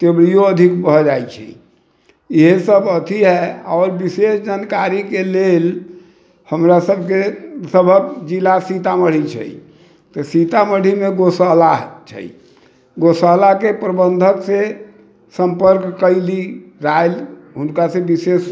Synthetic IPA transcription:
t̪ebɽijoəd̪ʱikbʱəd͡ʒajt͡ʃʰɛ̰ | iɦesəbʱət̪ʰiɦɛɔːɾbisesd͡ʒankaɾikelel | həmɾasəbʱkesəbʱəbd͡ʒilasit̪aməɽ̤it͡ʃʰə̰j | t̪əsit̪aməɽ̤imeɡosəlat͡ʃʰə̰j | ɡosəlakepɾəbənd̪ʱəkse | səmpəɾkːəɪliɾajl | ɦunkasebises

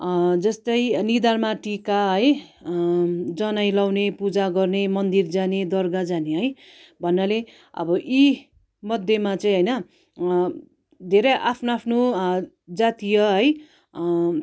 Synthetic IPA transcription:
d͡zʌst̪ʌjnid̪armaʈikaɦʌj | d͡zʌnajlawnepud͡zaɡʌrnemʌnd̪ird͡zaned̪ʌrɡad͡zaneɦʌj | bʱʌnːʌle | ʌ̰bʌʔi | mʌd̪ʱjemat͡sʌĩɦʌjnʌ | d̪ʱeɾʌjʔapʰnoapʰno | d͡zat̪ijʌɦʌj

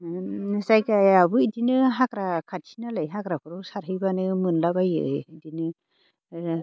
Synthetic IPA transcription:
nɯsajkaabɯidinɯɦakɾakʰat̚sʰinalajɦakɾapʰɯɾɔsaɾɦɯjbanɯmɯnlabajɯ̰idinɯ

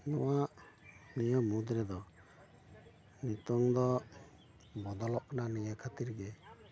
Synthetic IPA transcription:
nɔwaʔ | nijɔmud̪ɾɛd̪ɔ | nit̪uŋd̪ɔ | bɔd̪ɔlɔʔnanijəkʰat̪iɾɡɛ

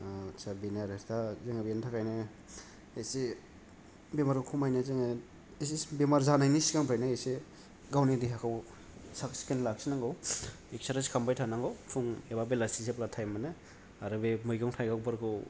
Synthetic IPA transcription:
sabinaɾestazeŋabentʰakajnɯ | ese | bemaɾɯkʰumajnezeŋe | esibemaɾzanajnisikaŋpʰajnaese | ɡawnidiɦakʰaw | saksi̥kenlaksinaŋɡaw | eksaɾaskʰambajtʰanaŋɡawpʰuŋebabelasiseplatʰajmanɯ | aɾɯbemɯjɡaŋtʰajɡawbɯɾɡɯw

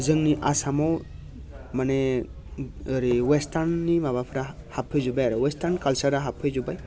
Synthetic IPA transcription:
zɯŋniʔasamɔw | mane | ɾiwestaɾnːimabapʰɾa | hapʰɯjzubajaɾɯwestaɾnkalsaɾaɦapʰɯjzubaj

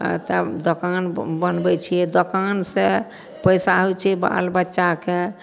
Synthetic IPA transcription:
t̪ə̰d̪okanbənbɛt͡ʃʰijɛd̪okanse | pəjsaɦojt͡ʃʰɛba̰lbətːʃake

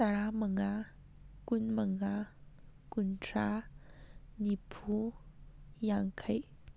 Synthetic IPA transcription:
t̪aɾaməŋa | kunməŋa | kuntʰɾa | nipʰu | jaŋkʰəj

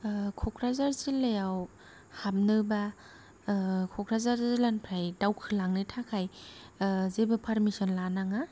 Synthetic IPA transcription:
kʰɔkʰɾazaɾzilajaw | hab̚nɯba | kʰɔkʰɾazaɾzilanpʰɾajdawkʰɯlaŋnɯtʰakʰaj | zebapʰaɾmisɔnlanaŋa

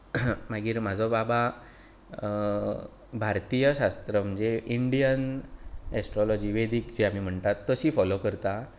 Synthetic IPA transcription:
maɡiːɾm̤ad͡zʱɔbaba | bʱaɾt̪ijəɕast̪ɾəm̤əɳd͡zeiɳɖijən | ɛsʈɾɔlɔd͡ʑiːʋed̪iːkd͡ʑiam̤im̤əɳt̪at̪ːəsiːfɔlokəɾt̪a

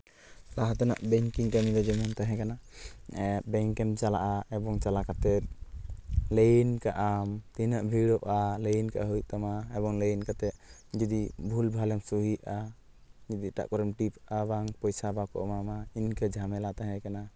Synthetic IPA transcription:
laɦɔt̪ɔna̰ʔbɛŋkiŋkamiɾɛd͡ʒɔmɔmt̪aɦɛ̃kana | bɛŋkɛmt͡ʃala̰ʔaɛbɔŋt͡ʃalakat̪ɛt̪̚ | lejnkaʔamt̪inaʔbʱiɽɔʔalejnka̰ʔɦɔjt̪amaɛbɔŋlejnkat̪ɛd͡ʒid̪ibʱulbʱalɛŋsuɦia | d͡ʒid̪iʈa̰ʔkɔɾɛmʈipabaŋpɔjsabakɔʔmamainkɛd͡ʒʱamɛlat̪aɦɛ̃kana

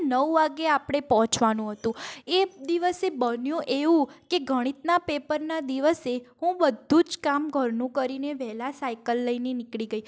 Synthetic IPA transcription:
nəʋʋaɡeapɽ̃epɔɦɔ̃t͡ʃʋanũɦət̪ũed̪iʋəsebənjũʔeʋũkeɡʱəɽ̃it̪napepəɾnad̪iʋəseɦũbəd̪ʱːũd͡ʒkamɡʱəɾnũkəɾineʋɛɦlasajkəlːəinenɪkɭiɡəi

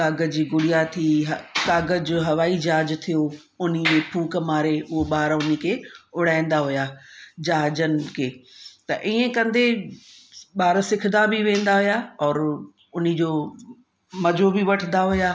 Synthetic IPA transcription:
kaːɡəd͡ʑiːɡʊɽijat̪ʰiɦkaːɡəd͡ʑoɦɐʋaːid͡ʑaːd͡ʑt̪ʰijo | ʊnid͡ʑeːpʰuːkəmaːɾeʊɦoɓaːɾʊnikʰeːʊɽ̤aːɪ̃n̆d̪aɦʊjaːd͡ʑaːɦd͡ʑənɪ̆kʰeːt̪ɐʔiːẽkɐ̃nd̪e | ɓaːɾsɪkʰd̪abʱiʋẽːnd̪aɦʊjaɔːɾ | ʊnĭd͡ʑoː | mɐd͡ʑobʱiʋɐʈʰənd̪aɦʊjaː

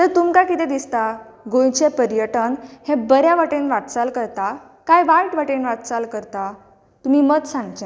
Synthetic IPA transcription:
t̪əɾt̪umkakit̪ɛ̃d̪ist̪a | ɡõjt͡ɕepəɾjəʈənhẽbəɾjaʋaʈenʋaʈt͡salkəɾt̪a | kajʋajʈʋəʈenʋaʈ̪t͡salkəɾt̪a | t̪um̤iːməd̪sãŋɡt͡ɕa

